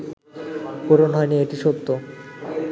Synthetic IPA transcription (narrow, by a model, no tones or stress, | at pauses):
koɾonɦɔenieʈiʃot̪ːo